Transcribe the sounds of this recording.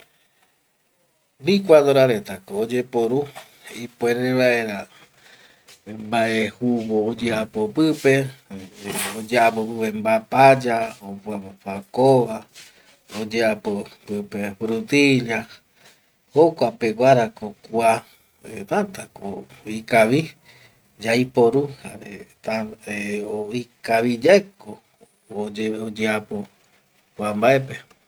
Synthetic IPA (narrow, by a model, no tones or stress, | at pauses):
bikʷad̪oɾaɾet̪akoːd͡ʒepoɾu | ipoeɾeβaʔeɾa | mbaʔehuβoːd͡ʒeapopɨpe | od͡ʒeapopɨpe̞mbapad͡ʒaopwaβofakoβa | od͡ʒeapopɨpefɾut̪iʎa | hokʷapeɡʷaɾakokua | et̪ant̪ako̰ikaβi | d͡ʒaipoɾuha̰ɾet̪aeoikaβid͡ʒaeko | od͡ʒeapo | kʷambaepe